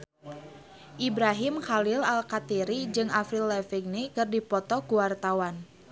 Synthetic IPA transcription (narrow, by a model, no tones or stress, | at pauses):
ʔibɾaɦimxalɪlalkat̪iɾid͡ʒɨŋafɾilːɛfɛŋnekɨrdipɔt̪ɔkuwart̪awan